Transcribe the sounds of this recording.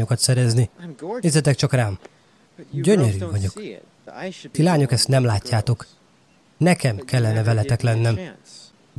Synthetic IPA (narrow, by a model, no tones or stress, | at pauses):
okɒt̪sɛɾɛznieːzɛt̪ɛkt͡ʃɒkraːm | ɟøɲøɾyːvɒɟo̞k | t̪ilaːɲo̞kɛst̪nɛmlaːcːaːt̪o̞k | nɛkɛmkɛlːɛnɛvɛlɛt̪ɛklɛnːɛm